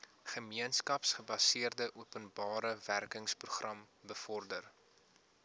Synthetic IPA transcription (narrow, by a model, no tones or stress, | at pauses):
χəmiənskɐpsχəbɐsiərdəʔuəpənbɑːɾəværkəŋspruχrɐm | bəfɔrdər